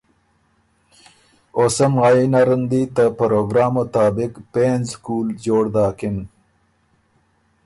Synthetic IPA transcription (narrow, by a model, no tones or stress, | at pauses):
osɐmainaɾənd̪it̪apɐɾoːɡɾɑːmot̪ɑːbɪkpeːnzskuːld͡ʑoːɽd̪ɑːkim